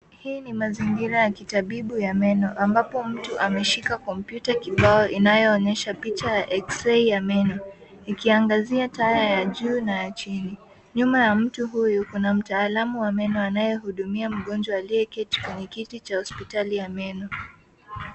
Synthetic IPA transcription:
hiːnimaziŋɡiɾajakitaɓiɓujamɛnɔʔambapɔm̩tuʔamɛʃikakɔmpjutakiɓaɔʔinajɔːɲɛʃapit͡ʃajaʔɛksɛijamɛnɔ | ikiaŋɡaziatajajaʄuːnajat͡ʃini | ɲumajam̩tuɦujukunam̩taːlamuwamɛnɔanajɛɦuɗumiam̩ɠɔnd͡ʒwaːliɛkɛti̥kwɛɲɛkitit͡ʃahɔspitalijamɛnɔ

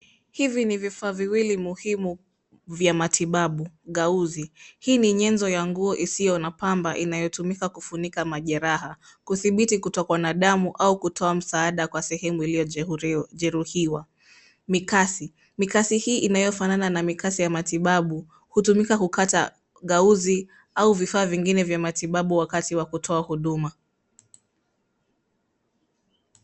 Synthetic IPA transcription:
hivinivifaːviwilimuhimu | vjamatʰiɓaɓuɠauzihiːniɲɛnzɔjaŋɡuɔʔisijɔnapambaʔinajɔtumikakufunikamaʄɛɾaɦa | kuθiɓitikutɔkwanaɗamuʔaukutʰɔam̩saːɗakwasɛhɛmuilijɔʄɛɾuhiwa | mikasi | mikasihiːʔinajɔfanananamikasijamatiɓaɓu | hutumikakukata | ɠauzi | auvifaːviŋɡinɛvjamatiɓaɓuwakatiwakutʰɔahuɗuma

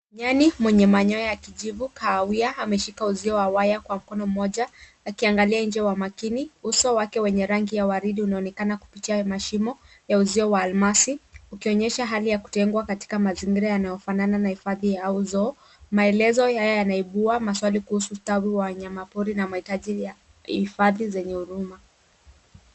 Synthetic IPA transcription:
ɲanimwɛɲɛmaɲɔɔjakiʄivukʰaːwiaːmɛʃikauziɔwawajakwam̩kɔnɔm̩ɔʄaː | kiaŋɡaliaiɲd͡ʒɛwamakiniusɔwakɛwɛɲɛɾaŋɡijawaɾiɗiunaɔnɛkanaku̥pitiamaʃimɔ | jauziɔwaːlmasiukiɔɲɛʃaɦalijaku̥tɛŋɡwakati̥kamaziŋɡiɾajanajɔfanananahifaðijauzɔ | maɛlɛzɔjajɔjanaiɓuamaswalikuhusuːtawiwaɲamapuɾinamahitaʄija | hifaðizɛɲɛhuɾuma

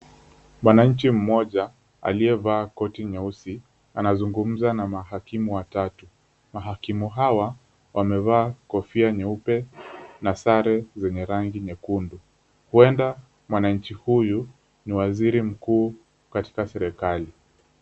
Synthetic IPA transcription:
mwanaɲ̩t͡ʃim̩mɔʄa | a̰liɛvaːkɔtiɲɛusi | anazuŋɡum̩zanamaɦakimuwatatu | maɦakimuɦawa | wamɛvaːkɔfiaɲɛupɛnasaɾɛzɛɲɛɾaŋɡiɲɛkundu | huɛnda | mwanaɲ̩t͡ʃihuju | niwaziɾim̩kuː | kati̥kasɛɾɛkali

